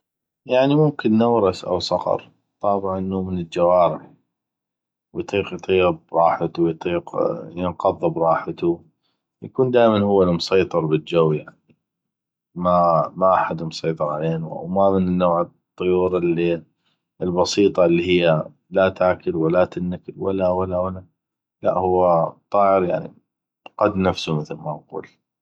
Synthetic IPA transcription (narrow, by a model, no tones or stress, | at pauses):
jaʕnimʊmkɪnːawɾɑsʔa̰wsˤɑqɑ̰ɾˤ | t̪ˤɑːbɪʕʔɪnːumɪnɪld͡ʒawaːɾɪħ | wjt̪ˤiːqjt̪ˤiːb̚ɾˤɑːħat̪ujt̪ˤiːqjɪnqɑðˤːɨbɾˤɑːħat̪u | jakuːnd̪aːjmanhʊwːalmʊsˤɑjt̪ˤɨɾbɪld͡ʒawːjaʕni | mamaʔaħad̪mʊsˤɑjt̪ˤɨɾˤʕaleːnuʔa̰wmamɪnɪnːoːʕɨ | t̪ˤːʊjuːɾɪlːi | ɪlbɑsiːt̪ˤɑlːihɪjːa | lat̪aːkɪlwalat̪ɪnːaklwalːawalːawalːa | la̰ʔhʊwːat̪ˤɑːʕəɾjaʕnḭ | qad̪nafsumɪθlmaʔqṵːl